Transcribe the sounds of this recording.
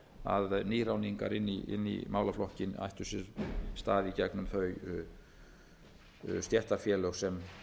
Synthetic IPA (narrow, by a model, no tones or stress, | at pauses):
a̰ðniːɾawniŋka̰ɾɪnːiʔɪ̰nːḭmaːwlaflɔhcɪna̰jht̪ʏsɪɾst̪aːðicɛknʏmθœɥ | st̪jɛr̥t̪afjɛːlœsɛm